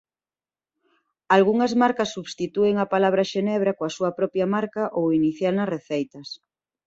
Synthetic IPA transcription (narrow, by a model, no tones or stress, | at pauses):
alɣuŋɐzmaɾkɐsːuβst̪it̪ueŋɐpalaβ̞ɾɐʃenɛβ̞ɾɐkoɐsuɐpɾɔpjɐmaɾkaʔowiniθjalnɐsreθejt̪ɐs